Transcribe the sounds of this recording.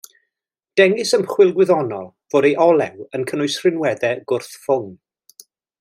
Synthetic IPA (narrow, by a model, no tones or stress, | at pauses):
d̥ɛŋɪsəmχwɪlˠɡwɪðɔnɔlˠ | v̥oːdejʔɔlˠɛwənkʰənʊjsrɪnwɛðɛɡʊrθfʊŋ